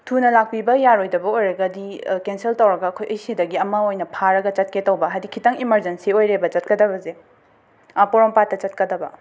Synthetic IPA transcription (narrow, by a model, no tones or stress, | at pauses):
tʰunɐlak̚pibɐjaɾojdɐbɐojɾɐɡɐdikenseltɐwɾɐɡɐːkʰojʔɐjsidɐɡiɐmɐojnɐpʰaɾɐɡɐt͡ʃɐt̚ketɐwbɐɦadikʰːitɐŋimɐɾzensiojɾebɐt͡ʃɐt̚kɐdɐbɐze | poɾompatːɐt͡ʃɐt̚kɐdɐbɐ